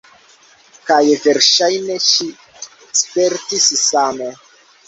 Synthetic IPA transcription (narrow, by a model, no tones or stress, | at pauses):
kajveɾʃajne̞ʃi | speɾtissamo